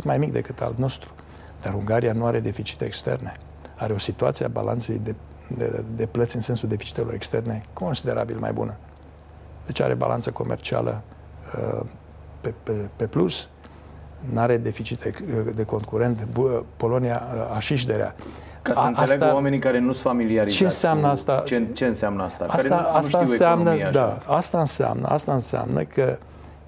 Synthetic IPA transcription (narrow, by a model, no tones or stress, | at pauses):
it̪majmikd̪e̞̰kɨt̪a̰lt̪no̞st̪ɾu̥ | d̪̥aɾuŋɡaɾijanuaɾe̞d̪e̞fit͡ʃi̥t̪eːkst̪e̞̰rne̞ | aɾeo̞sit̪ua̰t̪siaba̰lʔa̰nt̪se̞jd̪e | d̪e̞plət̪sʲɨnse̞nsuld̪e̞fi̥t͡ʃi̥t̪elo̞ɾe̞kst̪e̞rne̞kʰo̞nsid̪e̞ɾa̰bilma̰jbṵnə | d̪̥e̞t͡ʃa̰ɾe̞̰ba̰la̰nt̪səko̞̰mʔḛrt͡ʃia̰lʔə̰ | pepepe̞plus | naɾe̞d̪e̞fit͡ʃit̪ed̪e̞ko̞ŋkuɾe̞nt̪po̞lo̞nijaaʃiʃ̬d̪e̞ɾḛa̰ | kaaɨnaelaɡt̪awamenikaɾenusfamiliaɾit͡ʃeɨnseamnəast̪at͡ʃt͡ʃeɨnseamnəast̪aasɾet̪aasaniweseamnəd̪aast̪aɨnsea̰mnə̰ʔast̪aɨnsea̰mnʔə̰kʰə